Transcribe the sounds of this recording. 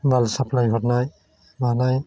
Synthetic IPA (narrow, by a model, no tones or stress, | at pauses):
balsaplajɦɔtnaj | banaj